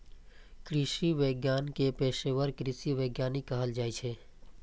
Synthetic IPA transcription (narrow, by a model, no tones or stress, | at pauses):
kɾɪʃiʋeːɡjaːnkepeːʃewəɾkɾɪʃiʋeːɡjaːnikːəɦəld͡ʒaːit͡ʃʰeː